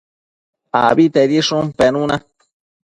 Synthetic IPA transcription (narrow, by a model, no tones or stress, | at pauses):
a̰bit̪eɾiʂumpenũna